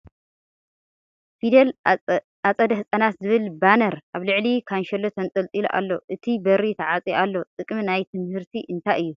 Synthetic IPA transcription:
fid̪l | at͡sʼɐd̪ɐɦɨsʼɐnat̪zɨβɨlbanɐɾʔaβlɨʕlikʰanʃɐlːot̪ʰɐnt͡sʼɐlt͡sʼilʔa̰lːo̞ʔɨt̪ʰibɐɾit̪ʰɐʕat͡sʼiʔalːo̞t̪ʼɨkʼmnajt̪ʰɨmhɨɾt̪ʰiʔɨnt̪ʰajɨjːu

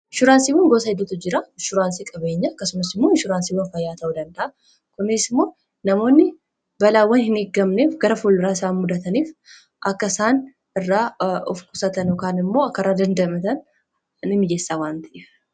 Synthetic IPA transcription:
ʃʊɾaːnsiwʊŋɡosɐhɪd̪ːʊt̪ʊd͡ʒɪɾaʃʊɾaːnsikʼɐbe̞ɲːɐɐkːɐsʊmɐsɪmːoːʃʊɾaːnsiwɐnfɐjːaːt̪ʰɐwʊd̪ɐnd̪ɐʔa | kʊnesɪmːoː | nɐmo̞ːnːɪ | bɐlawːɐnhɪneɡːɐmneːfɡɐɾɐfulɪɾaːsaːnmʊd̪ɐt̪ɐniːf | ʔɐkːɐsaːn | ɪrːaːɔfkʼʊsɐt̪ɐnɔkaːnɪmːo̞ːɐkːɐɾaːd̪ɐnd̪ɐmɐt̪ɐn | nɪmːɪd͡ʒeːsːawaːnt̪ɪʔɛ

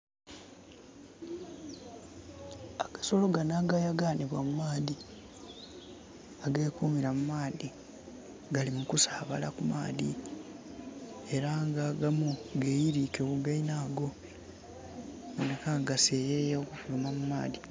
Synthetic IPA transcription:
akḁso̞lo̞ɡanaːɡajaɡaːniβwa̰mumaːði | aɡe̞ːkuːmiɾamumaːdi | ɡalimukusaːβa̰la̰kuma̰ːði | e̞ɾaŋɡaɡamuɡejiɾiːkekuɡainaːɡo̞ | anekaɡase̞jejeokufulumamuma̰ːði

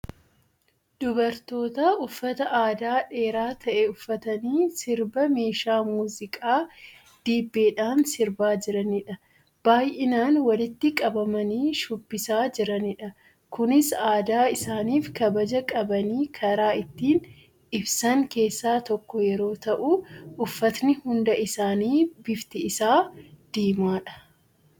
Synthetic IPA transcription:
d̪̥ʊbɐɾt̪o̞ːt̪aʊfːɐt̪ɐʔaːd̪aːᶑe̞ːɾaːt̪ʰɐʔɛʊfːɐt̪ɐniːsɪɾbɐme̞ːʃaːmuːzɪkʼaː | d̪̥iːbːeːᶑaːnsɪɾbaːd͡ʒɪɾɐnɪᶑɐ | b̥aːjʔɪnaːnwɐlɪt̪ːɪkʼɐbɐmɐniːʃʊbːɪsaːd͡ʒɪɾɐnɪᶑɐ | kʊnɪsaːd̪aːɪsaːniːfkɐbɐd͡ʒɐkʼɐbɐniːkʰɐɾaːɪt̪ːiːn | ɪbsɐŋke̞ːsːaːt̪ɔkːɔjɛɾo̞ːt̪ɐʔuʔʊfːɐt̪nɪhʊnd̪ɐʔɪsaːniːbɪft̪ɪɪsaːd̪̥iːmaːᶑɐ̥

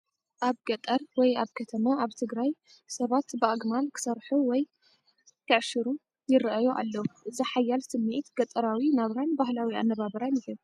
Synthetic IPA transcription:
ʔaβɡɐt̪ʼɐɾwɔjaβkʰɐt̪ʰɐmaaβt̪ʰɨɡɾaj | sɐβat̪bɨʔaɡmalkʰɨ̥sɐɾħuwɔj | kʰɨʕʃɨɾu | jɪɾʔajoʔa̰lːɐwuzɨħajalsɨmːe̞t̪ɡɐt̪ʼɐɾawinaβɾanbahlawia̰nːɐβaβɐɾanɪhɨl

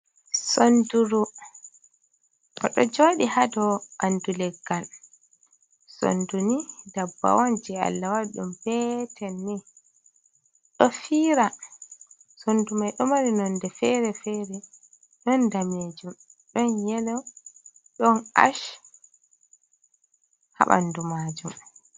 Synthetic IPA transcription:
sonduɾu | kɔ̰ɗɔd͡ʒoːɗihadɔʔandulɛɡːal | so̰ndunidabːa̰wand͡ʒɛa̰lːawaɗumpɛtʰɛnːi | ɗɔfiːɾa | sondumajɗɔmaɾinɔndɛfɛɾɛfɛɾɛ | ɗɔndamed͡ʒumɗɔnjɛlɔ | ɗɔna̰ʃ | ha̰ɓa̰ndumad͡ʒum

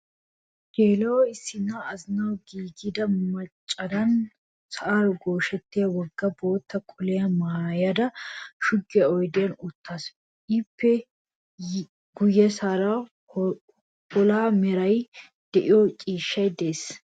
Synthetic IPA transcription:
d͡ʒeːlɐwɔɪsːɪnːaɐznɐwɡiːɡɪd̪ɐmɐt͡ʃʼːɐd̪ɐn | sɐʔaɾɔɡo̞ːʃɛt̪ːɪjɐwɔɡːɐbo̞ːt̪ːɐkʼʊlɛjɐmaːjɐd̪ɐʃʊɡːɪɐɔjd̪ɛjɐnʊt̪ːaːs | ʔɪpʰːɛ | ɡʊjːɛsaːɾa | hɔlaːmɛɾɐj | d̪̥ɛʔɪjɔt͡ʃʼiːʃːɐjd̪eːs

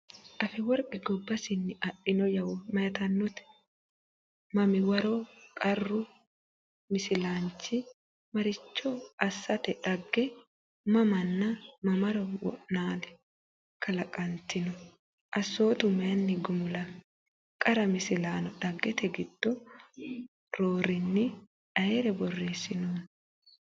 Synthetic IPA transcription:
ᶑɐfɛwɔɾkʼɛɡɔbːɐsɪnːɪɐɗːɪnɔjɐwmɐjɐt̪ɐnːɔt̪ɛ̥ | mɐmɪwɐɾokʼɐrːʊ | mɪsɪlaːnt͡ʃːɪ | mɐɾɪt͡ʃːɔɐsːɐt̪ɛᶑɐɡːɛ | mɐmɐnːɐmɐmɐɾɔwɔ̰ʔnaːlɛ̥ | kʰɐlɐkʼɐnt̪ɪnɔ | ʔɐsːo̞ːt̪ʊmɛɐnːɪɡʊmʊlɐ | kʼɐɾɐmɪsɪlaːnɔɗɐɡːɛt̪ɛɡɪd̪̥ːɔ | ɾo̞ːɾɪnːɪ | ᶑɐjeɾɛbɔrːeːsːɪnoːn

